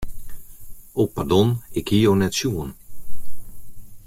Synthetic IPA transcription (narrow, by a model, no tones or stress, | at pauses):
oːpardɔnɪkhijownɛtsjuən